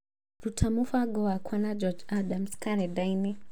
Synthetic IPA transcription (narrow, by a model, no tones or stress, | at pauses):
ɾutʰamufaɡɔakʰwanad͡ʒɔd͡ʒadamskaɾɛdajnɛ